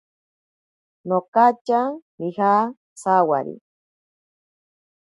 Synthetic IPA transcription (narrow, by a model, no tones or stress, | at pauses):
nokat͡ʃamiha | sawa̰ɾḭ